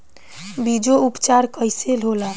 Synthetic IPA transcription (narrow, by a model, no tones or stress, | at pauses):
bid͡ʒoupt͡ʃaɾkəɪselɦola